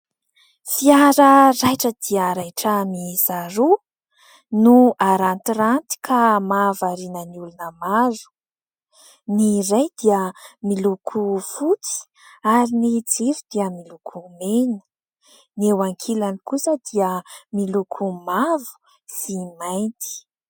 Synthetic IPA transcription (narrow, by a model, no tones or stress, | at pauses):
fiaɾərajʈ͡ʂəd̪iəɾajʈ͡ʂəmiz̥aɾu | nuaɾant̪irant̪i̥kʰamavaɾinəniulunəmazu̥ | niɾajd̪iəmilukʰufut͡si̥ | aɾinid͡zivid̪iəmilukʰumenə̥ | newaŋkʰilanikusəd̪iəmilukʰumavu̥ | simajnt̪i̥